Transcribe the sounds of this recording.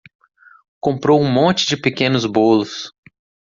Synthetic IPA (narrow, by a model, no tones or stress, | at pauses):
kõmpɾowũmõnt͡ʃɪd͡ʒɪpekẽnʊzbolʊs